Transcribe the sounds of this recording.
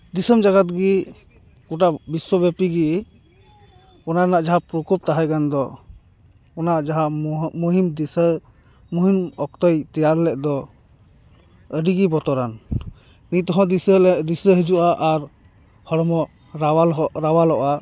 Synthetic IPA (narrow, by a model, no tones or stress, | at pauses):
d̪isəmd͡ʒaɡat̪̚ɡi | kuʈaʔbiswɔbɛpiɡi | ɔnanaʔd͡ʒaɦapɾukup̚t̪aɦakand̪ɔ | ɔnaʔd͡ʒaɦamuɦimd̪isə | muɦimɔk̚t̪əjt̪ɛjaɾlɛʔd̪ɔ | əɖiɡibɔt̪ɔɾan | nit̪ɔɦɔ̃d̪islɛd̪isəɦɛd͡ʒuʔaʔaɾ | hɔɽɔmɔ | aalɾawalɔʔa